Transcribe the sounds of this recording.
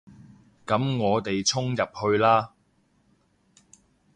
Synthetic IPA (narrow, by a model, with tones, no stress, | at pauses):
kɐ˨˥mŋɔː˨˧t̪e˨jt͡sʰʊ˥ŋjɐ˨p̚hɵ˧ɥlaː˥